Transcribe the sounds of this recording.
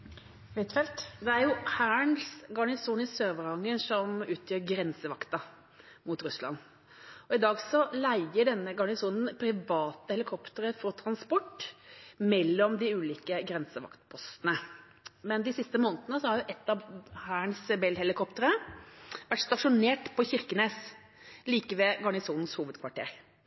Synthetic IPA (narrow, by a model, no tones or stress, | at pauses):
ʋɛt̪fɛlt̪d̪ɛæɾjʊhæːɳsɡɑɳɪsuːnɪsøːʋəɾɑŋːəʂɔmʉːt̪ʰjøːɾɡɾɛnsəʋɑkt̪ɑ | mut̪ɾʉslɑ̰nː | ɔɪd̪ɑːɡsɔlæɪəɖɛnːəɡɑɳɪsuːnn̩pʰɾɪʋɑːt̪əhɛlɪkʰɔpt̪əɾəfɔɾt̪ʰɾɑnspɔʈː | mɛlːɔmd̪ɪʉːliːkəɡɾɛnsəʋɑ̰kt̪pʰɔst̪ənə | mɛnd̪ɪsɪst̪əmoːnt̪ənəsɔhɑɾjʊʔɛt̪ːɑhæːəɳsbɛlhɛlɪkʰɔpt̪əɾə | ʋæʈːst̪ɑʂʊneːʈpʰɔçɪɾkəneːs | liːkəʋɛɡɑɳɪsuːnn̩shuːʋəd̪kʰʋɑʈʰḛːɾ